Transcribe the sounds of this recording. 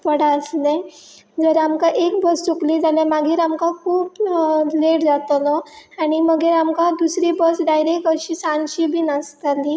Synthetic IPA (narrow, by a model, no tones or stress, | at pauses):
pəɽaəsne | d͡zəɾamkãʔekbəst͡sukliːd͡zalãmaɡiːɾamkãkʰuːpleʈd͡zat̪ɔnɔaɽ̃iməɡeɾamkad̪usɾibəsɖajɾek̚ʈəɕiːsãnɕiːbʱiːnəst̪ali